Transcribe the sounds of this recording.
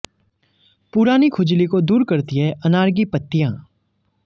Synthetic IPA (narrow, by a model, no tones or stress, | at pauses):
pʊɾaːnikʰʊd͡ʒlikod̪uːɾkɐɾt̪iɦɛʔɐnaːɾɡipɐt̪ːijãː